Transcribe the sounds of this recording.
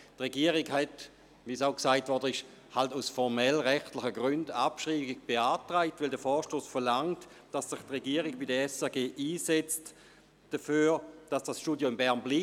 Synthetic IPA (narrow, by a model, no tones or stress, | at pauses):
tʁeɡiəʁiɡhɛt | ʋisaʊksaɪtvɔɐdəɪʃ | haltusfɔʁmɛlʁɛχtlɪχəɡʁʏndapʃʁiːɡɪɡ̚b̥eaːtʁaɪtvɪldəfɔːʃtoːsfɛɐlaŋt | d̥asːɪχtʁeɡiəʁiɡbidəɛsɛɐɡeːʔiːsɛt͡st | d̥əfyːd̥asd̥asʃtuːdjoɪmbɛɐnbliː